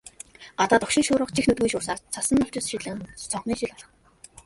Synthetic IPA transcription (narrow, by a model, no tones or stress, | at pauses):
ɢ̥at̪aːt̪ʊkʃɪ̆ŋʃʊːɾə̆χt͡ɕʰixnut̪̚ɡujʃʊːsaːrt͡sʰasə̆nːɔɬt͡ɕɪ̆sʃɪ̆t̪ɮə̆χɘ̆nsɔɴχniːʃiɮɔɮɞ̆χ